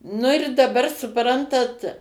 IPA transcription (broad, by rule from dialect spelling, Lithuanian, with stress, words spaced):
ˈnʊ ɪr dɐˈbɐr sʊˈprɐntɐt